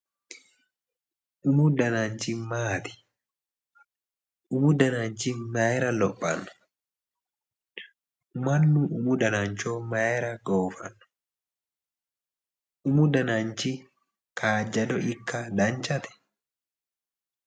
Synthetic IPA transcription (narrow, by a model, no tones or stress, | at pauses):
ʔʊmʊd̪ɐnant͡ʃimaːt̪ɪ̥ | ʔʊmʊd̪ɐnant͡ʃimɐɛɾɐlɔpʼːɐ̰nːɐ̥ | mɐnːuʔʊmʊd̪ɐnant͡ʃoːmɐɛɾɐɡoːfɐ̰nːɐ | ʔʊmʊd̪ɐnant͡ʃi | kʰaːd͡ʒɐd̪ɔɪkːɐd̪ɐnt͡ʃɐt̪ɛ̥